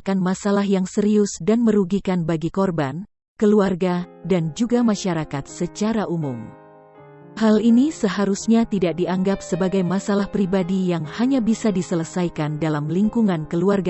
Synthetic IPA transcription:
kanmasalahjaŋsəɾiʊsdanməɾuɡikanbaɡikɔrban | kəluarɡadand͡ʒuɡamaʃaɾakat̪̚sət͡ʃaɾaʔumum | halinisəɦaɾusɲat̪idak̚diaŋɡapsəbaɡajmasalahpɾibadijaŋhaɲabisadisələsajkandalamliŋkuŋankəluarɡa

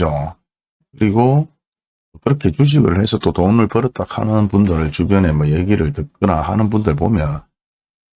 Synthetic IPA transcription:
d͡ʑo | kɯɾiɡo | ʌkɯɾʌkʰe̞t͡ɕuɕ̬iɡɯɭhe̞sʰʌt͈otomɯɭpʌɾɯt͈ʰakʰa̰nɯnpundɯɾɯɭt͡ɕubjʌne̞mʌjeɡiɾɯɭtɯk͈ɯnaɦa̰nɯnpundɯɭpomjʌn

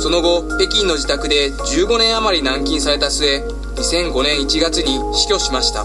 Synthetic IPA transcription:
so̞no̞ɡo̞ | e̞kʲĩnːo̞d͡ʑit̪akɯ̟d̪e̞d͡ʑɨːɡo̞nẽ̞ɰ̃amaɾʲinãŋkʲĩɰ̃saɾe̞t̪asɨe̞ | ɲisẽ̞ŋɡo̞nẽɰ̃it͡ɕiɡat͡sɨɲ̟iɕi̥kʲo̞ɕimaɕi̥t̪a̰

